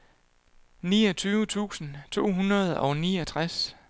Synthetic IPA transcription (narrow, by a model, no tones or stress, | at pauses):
niːɒt͡sʰyːʊət͡sʰṵːsn̩t͡sʰo̝̰ːɦunʁɐð̞ˠɒʊniːɒt͡sʰʁas